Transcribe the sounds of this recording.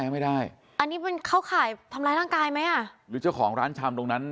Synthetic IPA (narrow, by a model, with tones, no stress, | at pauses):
ɛː˧˥ma˥˩jdaː˥˩j | ʔa˧nːiː˦˥pe˧nkʰa˥˩wkʰaː˩˦jt̪ʰa˧mlaː˧jɾaː˥˩ŋkaː˧jma˦˥jʔa˥˩ɾɯː˦t͡ɕa˥˩wkʰɔː˩˦ŋɾaː˦˥nt͡ɕʰa˧mt̪o˧ŋna˦˥n